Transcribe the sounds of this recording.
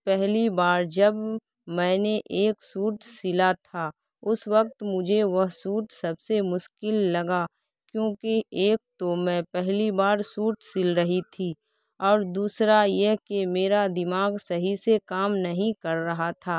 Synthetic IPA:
pɛɦlibaːɾd͡ʒɐb | mɛ̃ːneʔeːksuːʈsɪlat̪ʰaː | ʊswək̚t̪mʊd͡ʒʱeʋɐɦsuːʈsɐbsemʊʃkɪlːɐɡa | kjõːkeeːk̚t̪omɛ̃ːpɛɦlibaːɾsuːʈsɪlɾəɦit̪ʰi | ɔːɾd̪uːsɾajeɦkemeːɾad̪ɪmaːɡsɐɦisekaːmnɐɦĩkɐɾːɐɦat̪ʰaː

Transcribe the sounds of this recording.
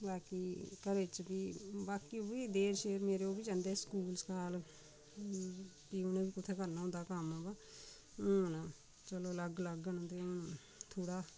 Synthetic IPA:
baːkiːkəɾet͡ʃbiːbaːkiːobiːd̪eːɾʃeːɾmeːɾeoːbiːd͡ʒãːnd̪eːskuːlskaːl | piːʊnẽːbiːkʊt̪ʰeːkəɾnaɦʊ̃nd̪aːkəmaːbã | nãː | t͡ʃəloːləɡləɡənt̪eː | t̪ʰoːɽaː

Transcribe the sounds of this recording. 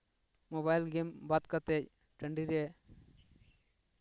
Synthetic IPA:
moβajlɡembat̪kat̪ec | ʈəɳɖiɾe

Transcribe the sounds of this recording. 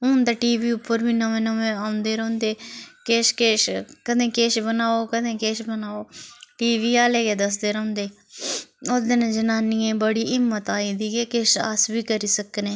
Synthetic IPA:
ɦʊnd̪aːʈiːʋiːʊpːəɾbiːnəʋẽːnəʋẽːaːʊ̃nd̪eːɾõːnd̪eːkeːʃkeːʃkəd̪ẽːkeːʃbənaːoːkəd̪ẽːkeːʃbənaːoːʈiːʋiːaːleːɡeːd̪əs̬d̪eːɾõːʊ̃nd̪eː | oːd̪enãːd͡ʒənaːniːẽːbəɽiːʔɪmːət̪aːiːd̪iːɡeːkeːʃa̰ːsbiːkəɾiːsəknẽː

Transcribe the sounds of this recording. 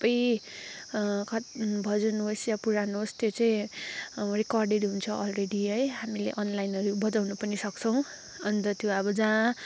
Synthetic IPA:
pʌj | kʌbʱʌd͡zʌnuɦosjapuɾanuɦost̪jot͡saĩ | rikʌrɖeʈɦunt͡sʰʌʔʌlreɽiɦʌjɦamilḛʔʌnlajnʌɾubʌd͡zawnupʌnisʌkt͡sʰʌw̃ | ʌnt̪ʌt̪joʌbʌd͡zã

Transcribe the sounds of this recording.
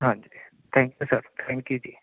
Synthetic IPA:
ɦãnd͡ʑe | t̪ʰɛ̃ŋkjusəɾt̪ʰɛ̃ŋkjud͡ʑiː

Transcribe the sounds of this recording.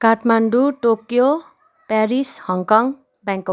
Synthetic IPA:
kaʈmaɳɖuʈokjo | paɾishɔŋkɔŋ | bɛŋkɔ

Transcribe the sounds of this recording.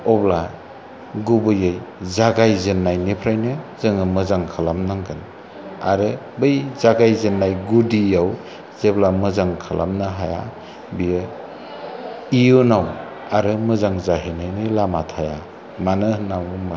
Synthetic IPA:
ɔbla | ɡubɯjɯjzaɡajzenːajnipʰɾajnɯzɯŋɯmɯzaŋkʰalamnaŋɡɯn | a̰ɾɯ | bɯjzaɡajzenːajɡudijaw | zeblamɯzaŋkʰalʔa̰mnɯɦaja̰ | bijɯ | ijunaw | aɾɯmɯzaŋzaɦinajnɯjlamatʰaja | manɯnawma

